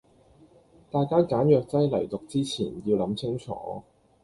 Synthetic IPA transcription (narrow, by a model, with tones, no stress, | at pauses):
t̪aː˨jkaː˥kaː˨˥njœː˨˧k̚t͡sɐ˥jlɐ̰˨˩jt̪ʊ˨k̚t͡siː˥t͡sʰiː˨˩nji˧wlɐ˨˥mt͡sʰɪ˥ŋt͡sʰɔ̰ː˨˥